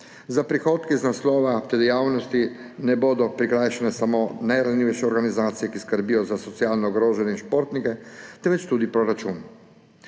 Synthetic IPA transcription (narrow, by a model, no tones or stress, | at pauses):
zapɾixoːt̪kiznaslɔːʋat̪ɛd̪ɛjaːwnɔst̪i | nɛboːd̪ɔpɾikɾajʃɛnɛsamoːnajɾaniːʋɛʃɛɔɾɡanizaːt̪sijɛkiskəɾbiːjɔzasɔt̪sijaːlnɔɡɾoːʒɛnjɛinʃpoːɾt̪nikɛt̪ɛnʋɛt͡ʃt̪uːd̪ipɾɔɾat͡ʃuːn